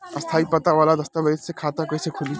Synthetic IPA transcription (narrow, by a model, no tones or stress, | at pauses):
ɐst̪ʰaːipɐt̪aʋaːlad̪ɐst̪abɐit̪sekʰaːt̪akoːisekʰʊli